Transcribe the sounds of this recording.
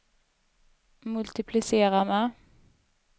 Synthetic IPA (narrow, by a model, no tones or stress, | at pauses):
mʉlt̪ɪpʰlɪseːʁɑmɛ